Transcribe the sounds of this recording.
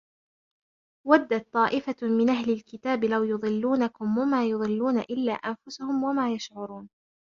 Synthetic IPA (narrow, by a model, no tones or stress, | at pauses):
wad̪ːat̪ˤːɑːʔɪfamɪnʔahlɪlkɪt̪aːbɪlawjʊðˤɨlːuːnakʊmwamaːjʊðˤɨlːuːna̰ʔɪlːa̰ːʔanfʊsʊhʊmwamaːjaʃʕʊɾˤuːn